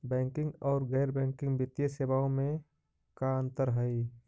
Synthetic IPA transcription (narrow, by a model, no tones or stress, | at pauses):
bɛ̃ːŋkɪ̃ŋɡɔːɾɡɛːɾbɛ̃ːŋkɪ̃ŋɡbɪt̪jeseʋaõmẽ | kaə̃nt̪əɾɦəi